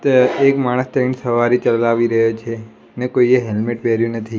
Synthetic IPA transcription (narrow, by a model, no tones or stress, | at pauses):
ekmaɽ̃əst̪əinisəʋaɾit͡ʃəlaʋiɾəɦjot͡ʃʰe | nekoieɦelmeʈʋɛɾjũnət̪ʰi